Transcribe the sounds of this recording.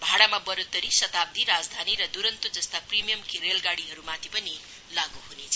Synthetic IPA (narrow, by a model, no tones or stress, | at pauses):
bʱaɽamabʌɾot̪ːʌɾisʌt̪ab̚d̪iɾad͡zd̪ʱaniɾʌd̪uɾʌnt̪od͡zʌst̪aprimijʌmkiɾelɡaɽiɦʌɾumat̪ʰipʌni | laɡuɦunet͡sʰʌ